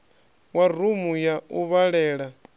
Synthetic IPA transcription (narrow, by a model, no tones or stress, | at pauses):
warumujauβaɺɛːɺa